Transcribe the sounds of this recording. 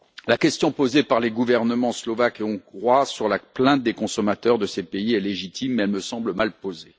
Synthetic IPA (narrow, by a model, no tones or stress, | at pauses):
lakʲɛst̪jɔ̃pozepaʁleɡuvɛʁnəmɑ̃slɔvakeɔ̃ɡʁwasyʁlaplɛ̃t̪̚d̪ekɔ̃sɔmat̪œʁd̪əsepeiɛleʒit̪ʰimːɛlməsɑ̃bləmalpoze